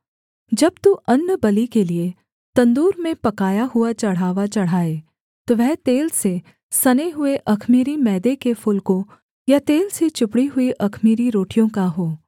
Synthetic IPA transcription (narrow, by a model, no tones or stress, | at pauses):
d͡ʒɐb̚t̪uʔɐnːəbɐlikelie | t̪ɐ̃nd̪uːɾmẽpɐkaːjaɦʊat͡ʃɐɽ̤aːʋat͡ʃɐɽ̤aːeː | t̪oʋɛɦt̪eːlse | sɐneɦʊeʔɐkʰmiːɾimɛːd̪ekefʰʊlkõ | jat̪eːlset͡ʃʊpɽiɦʊiʔɐkʰmiːɾiɾoːʈijõkaɦoː